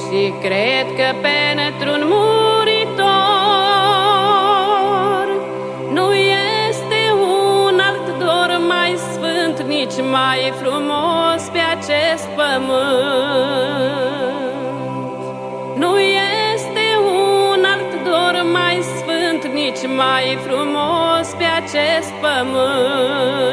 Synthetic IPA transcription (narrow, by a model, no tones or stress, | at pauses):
ʃikɾed̪kəpent̪ɾunmuɾit̪o | r | nujest̪eunalt̪d̪oɾmajsfɨnt̪nit͡ʃmajfɾumospeat͡ʃest̪̚pəmɨ | t̪t̪ | nujest̪e̞unalt̪d̪ormajsfɨnt̪nit͡ʃʲmajfɾumospe̞at͡ʃest̪̚pəmɨ